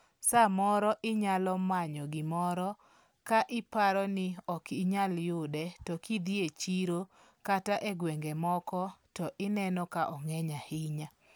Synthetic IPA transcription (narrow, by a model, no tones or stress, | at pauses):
samɔɾɔʔɪɲalɔmaɲɔɡɪmɔɾɔ | kaʔɪpaɾɔnɪɔkɪɲaljʊdɛtɔkʰid̪iet͡ʃiɾo | kataʔeɡwɛŋɡɛmɔkɔtɔʔɪnɛnɔkaʔɔŋɛɲahɪɲa